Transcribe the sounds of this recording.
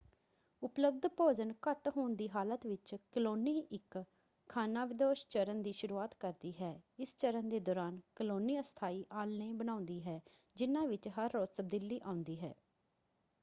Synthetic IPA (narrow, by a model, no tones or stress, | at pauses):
ʊpləb̚d̪poːd͡ʒənkəʈɦoːnd̪iːɦaːlət̪ʋɪt͡ʃkəloːniːʔɪkʰː | aːnaːʋɪd̪oːʃt͡ʃəɾənd̪iːʃʊɾuːaːt̪kəɾd̪iːɦɛːɪst͡ʃəɾənd̪eːd̪ɔːɾaːnkəloːniːəst̪ʰaːiːʔaːlnẽːbənãːʊ̃nd̪iːɦɛː | d͡ʒɪnãːʋɪt͡ʃɦəɾːoːzt̪əb̚d̪ɪlːiːʔãːʊ̃nd̪iːɦɛ̰ː